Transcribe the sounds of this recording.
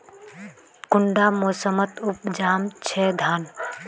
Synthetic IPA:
kʊɳɖaːmoːsəmət̪up̚d͡ʒaːmt͡ʃʰɛːd̪ʱaːn

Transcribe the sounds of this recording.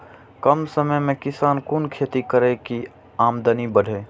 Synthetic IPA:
kəmsəməjmẽkɪsaːnkunkʰet̪ikəɾɛki | amd̪ənibəɖʱe

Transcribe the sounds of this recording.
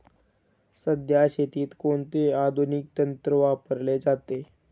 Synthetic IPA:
səd̪ʱjaɕet̪iːt̪koɳt̪ead̪ʱunik̚t̪ənt̪ɾəʋapəɾled͡zat̪e

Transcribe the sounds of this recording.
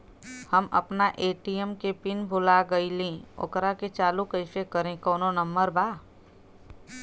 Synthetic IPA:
həmɐ̰pnaʔeːʈiemkepɪnbʱʊlaɡəilẽo̰kɾaket͡ʃaːlukəɪsekəɾẽkɔːnonəmbəɾbaː

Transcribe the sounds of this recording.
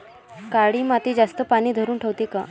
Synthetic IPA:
kaɽiːmat̪id͡zast̪əpaɽ̃iːd̪ʱəɾuːnʈʰəʋt̪ika

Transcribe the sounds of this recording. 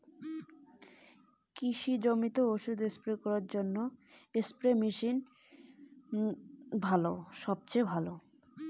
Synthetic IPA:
kiʃid͡ʑomit̪ooʃud̪espɾekɔɾaɾd͡ʑonːoespɾemiʃin | bʱaloʃɔb̚t͡ɕejbʱalo

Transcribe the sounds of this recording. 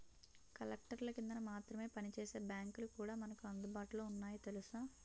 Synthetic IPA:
kɐlek̚ʈɐɾlɐkind̪ɐnɐmaːt̪ɾɐme̞ːpɐnit͡ʃeːse̞ːbjaːŋkulukuːɽaːmɐnɐkuɐnd̪ubaːʈuloːunːaːjit̪e̞lusaː

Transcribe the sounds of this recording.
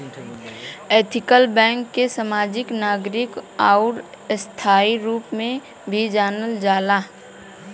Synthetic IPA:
eːt̪ʰɪkəlbɛ̃ːŋkːesəmaːd͡ʒɪknaːɡɾɪkaʊɾ | st̪ʰaːiɾuːpmẽ | bʱid͡ʒaːnəld͡ʒaːlaː

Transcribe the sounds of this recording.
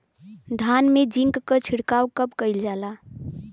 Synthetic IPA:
d̪ʱanmed͡ʒiŋkːət͡ʃʰiɽkawkəpkəɪld͡ʒala

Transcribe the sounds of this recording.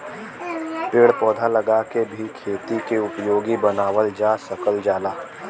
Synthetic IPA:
peːɽpɔːd̪ʱalɐɡaːkebʱikʰeːt̪ikeʊpjoːɡibɐnaːʋəld͡ʒaːsɐkəld͡ʒaːlaː

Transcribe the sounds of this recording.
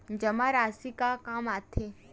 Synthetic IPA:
d͡ʒəmaɾaːsikakaːmaːt̪ʰe

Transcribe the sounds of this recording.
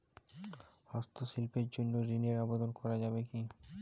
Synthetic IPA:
hɔst̪ʰoʃilpeɾd͡ʑonːoɾineɾabod̪onkɔɾad͡ʑabeki

